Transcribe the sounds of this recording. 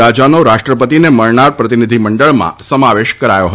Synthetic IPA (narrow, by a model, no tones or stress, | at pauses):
ad͡ʒanoɾaʃʈɾəpət̪ineməɭɳaɾpɾət̪inid̪ʱiməɳɖəɭmã̰səmaʋeʃkəɾajo̰ɦə